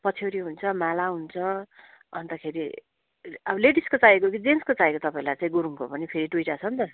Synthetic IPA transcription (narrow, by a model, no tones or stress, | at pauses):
pʌt͡sʰoɾiɦunt͡sʰʌmalaɦunt͡sʰʌ | ʌnt̪akʰeɾi | ʌbʌleɖiskot͡saekokid͡zenskot͡saekot̪ʌpaĩlajt͡saĩɡuɾuŋkopʌnipʰeɾiʈujʈat͡sʰʌnt̪ʌ